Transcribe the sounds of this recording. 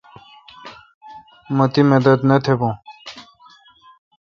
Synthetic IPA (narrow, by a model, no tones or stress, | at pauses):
mɐt̪imed̪ɐt̪nɐt̪ʰebõ